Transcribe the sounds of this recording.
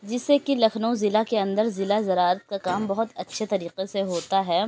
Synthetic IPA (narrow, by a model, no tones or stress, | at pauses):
d͡ʒɪsːekilɐkʰnõzɪlakeɐ̃nd̪əɾzɪlazɐɾaːɾət̪̚kakaːmbɐɦʊt̪ɐtːʃʰet̪ɐɾiːqeseɦoːt̪aɦɛː